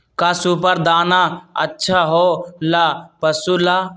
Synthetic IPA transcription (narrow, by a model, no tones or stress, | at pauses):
kaːsup̬əɾd̪aːnaə̰tːʃʰaːɦoːlapɐsuːlaː